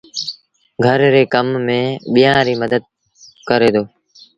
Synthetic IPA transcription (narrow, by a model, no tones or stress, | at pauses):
ɡʱəɾɾeːkəmːẽːɓɪjãːɾiːməd̪əd̪̚ | kəɾeːd̪oː